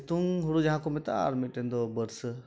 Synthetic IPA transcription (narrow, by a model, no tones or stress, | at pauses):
t̪uŋɦʊɽud͡ʒɐɦãkomet̪a̰ːɾmeʈẽːnd̪obəɾs